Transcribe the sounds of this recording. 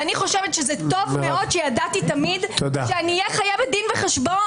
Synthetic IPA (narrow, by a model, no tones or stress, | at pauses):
aniχo̞ʃevet̪ʃezɛto̞vmeʔo̞d̪ʃejadat̪it̪amidt̪od̪aʃeaniːjɛχajaved̪inveχeʃbo